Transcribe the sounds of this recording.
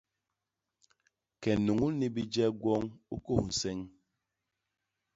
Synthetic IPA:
kɛ˨nu˨ŋu˦ni˦bi˦d͡ʒɛ˦ɡwɔ˦ŋu˦ko˦˨sɛ˦ŋ

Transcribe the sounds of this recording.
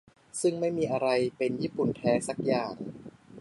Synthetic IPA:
sɯ˥˩ŋma˥˩jmiː˧ʔa˧ɾa˧jpe˧njiː˥˩pu˨˩nt̪ʰɛː˦˥sa˧˦˥k̚jaː˨˩ŋ

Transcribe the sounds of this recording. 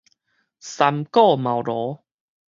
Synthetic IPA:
sa˧mkɔ˥˧˨mã˨˩wɾɔ˨˦

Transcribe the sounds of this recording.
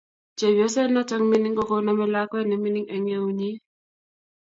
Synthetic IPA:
t͡ʃe˨βɔ˦sɛ˦na˦t͡ʃa˦ŋmi˦ni˦ŋkɔ˦ko˦na˦mɛ˦la˦kwɛ˦nɛ˨mi˦ni˦ŋɛ˨ŋe˦u˦ɲi˦

